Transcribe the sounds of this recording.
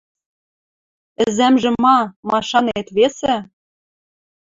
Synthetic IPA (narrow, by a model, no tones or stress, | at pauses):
ɘ̆zæmʒɘ̆mɑmɑʃɑnet̪βesĕ